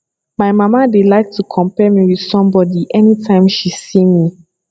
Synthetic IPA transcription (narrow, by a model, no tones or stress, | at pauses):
maɪmamadelaɪk̚tʰukʰɔ̃mpɛmiwið̥sɔ̃mbɔdiʔɛnitʰãɪ̃mʃisĩmi